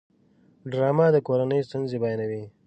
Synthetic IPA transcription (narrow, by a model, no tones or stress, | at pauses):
ɖɾɑːmad̪əkoɾanəjst̪unzebɑjnawi